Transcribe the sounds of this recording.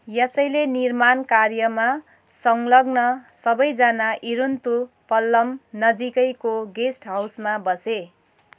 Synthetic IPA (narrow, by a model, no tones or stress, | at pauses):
jʌsʌjlenirmankarjʌma | sʌŋlʌɡnʌsʌbʌjd͡zanaʔiɾunt̪u | pʌlːʌmnʌd͡zikʌjkoɡesʈɦawsmabʌse